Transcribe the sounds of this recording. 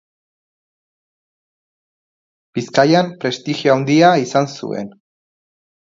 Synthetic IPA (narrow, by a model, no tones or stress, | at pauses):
b̥iskajampɾe̞st̪ixioawnd̪iaisansṵe̞̰n